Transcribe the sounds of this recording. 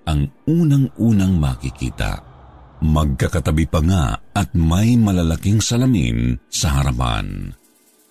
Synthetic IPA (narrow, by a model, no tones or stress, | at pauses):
ʔɐŋuːnɐŋʔuːnɐŋmɐkikḭːt̪a̰ | mɐɡ̚kakɐt̪ɐbipɐŋa̰ɐt̪̚mɐjmɐlɐlɐkiŋsɐlɐmḭnsɐɦɐɾɐma̰n